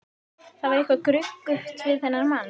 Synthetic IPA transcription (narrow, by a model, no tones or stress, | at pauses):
θaðvaɾɪhkvakɾʏkːʏht̪vɪðθɛnːaɾman